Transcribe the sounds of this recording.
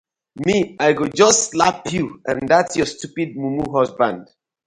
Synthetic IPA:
miaɪɡod͡ʒʌstːlapʰjuãndatsjɔstupid̚mumuɦɔsbãnd̥

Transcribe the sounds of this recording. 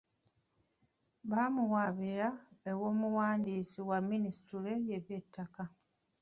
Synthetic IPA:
βaːmuwaβiɾaewo̞ːmuwaːndiːsiwamːinisi̥tule̞je̞βje̞tʰːaka

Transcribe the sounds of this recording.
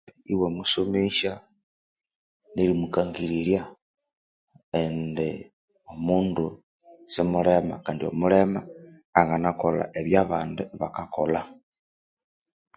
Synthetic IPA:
iwemusomeʃa | neɾimukaŋɡiɾiɾja | ende | omuːndu | semuɾema̰kaːndio̞̰muɾemaː | ŋɡanakola̰ʔeβjaβaːnduβakakola

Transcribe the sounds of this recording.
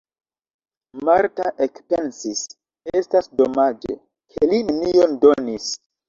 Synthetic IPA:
maɾtaʔekpensis | e̞stasdo̞mad͡ʒe̞̰ | kʰelinenio̞ndo̞nis

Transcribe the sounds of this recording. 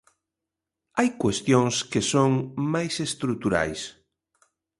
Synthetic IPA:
ajkwest̪joŋskesoŋmajsest̪ɾut̪uɾa̰js

